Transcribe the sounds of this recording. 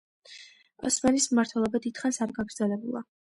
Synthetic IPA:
ɔ̰smanismmaɾt̪ʰwɛlˠɔbad̪id̪̥χansaɾɡaɡɾd̪zɛlɛbulˠa̰

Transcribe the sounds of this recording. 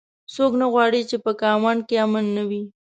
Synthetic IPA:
soknaɣwɑɽit͡ʃepəkɑwɑnkeamanːawi

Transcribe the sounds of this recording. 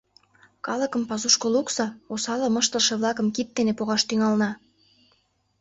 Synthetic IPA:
kɑləkə̆mpɑzuʃkoluksɑosɑlɤməʃt̪ə̆lʃĕβlɑkə̆mkit̪̚d̪enepoɣɑʃt̪yŋɑlnɑ

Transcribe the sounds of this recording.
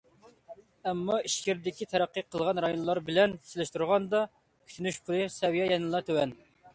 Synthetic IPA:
ɛmːɑiʃkʲiɾd̪ɪkʲit̪ʰɛɾæqːəqʰəlˠʁɑnɾɑjonlˠɑɾbɪlɛnsɪlɪʃt̪uɾʁɑnd̪ɑ | kʲʰy̥t̪ʰynyʃpʰʊlˠɨsɛwijɛjɛnɨlˠɑt̪ʰøwɛn

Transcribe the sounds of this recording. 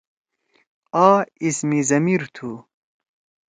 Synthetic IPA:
aːismizɐmiɾt̪ʰu

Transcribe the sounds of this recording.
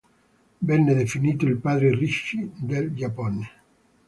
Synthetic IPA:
bɛnːed̪efiniːt̪oilpaːd̪ɾeriʃːid̪eld͡ʒapɔne

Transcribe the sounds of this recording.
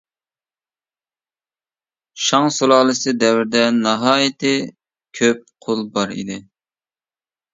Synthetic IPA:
ʃɑŋsolˠɑːlˠɨsɨd̪ɛwɪɾd̪ɛnɑɦɑːjit̪ʰɪ | kʲʰøp̚qʰolˠbɑɾḭd̪ɪ

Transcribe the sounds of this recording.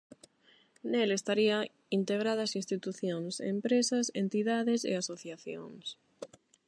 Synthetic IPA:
nelest̪aɾia | int̪eɣɾaðasinst̪it̪uθjoŋsḛmpɾesɐsḛnt̪iðaðɪsḛasoθjaθjo̰ŋs

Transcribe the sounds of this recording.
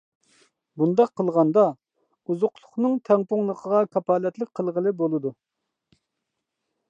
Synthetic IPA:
bund̪ɑqʰːəlˠʁɑnd̪ɑ | uzʊqlˠʊχnɨŋt̪ʰɛŋpʊŋlˠəqʰəʁɑkʰɑpɑːlɛt̪lɪk̚ʲqʰəlˠʁəlˠɨbolˠɨd̪u

